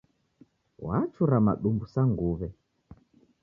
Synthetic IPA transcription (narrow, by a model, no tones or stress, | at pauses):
wat͡ʃuɾama̰ɗumbusaŋɡuβɛ